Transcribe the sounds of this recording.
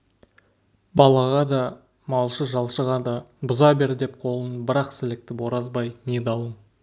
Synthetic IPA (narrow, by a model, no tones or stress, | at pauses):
bɑlˠɑʁɑd̪ɑ | mɑlˠʃəʒɑlˠʃəʁɑd̪ɑbʊzɑbe̞ɾd̪ep̚qʰo̞lˠənbɪɾɑqsɪlɪk̚t̪ɪpwoɾɑzbɑjned̪ɑwˠən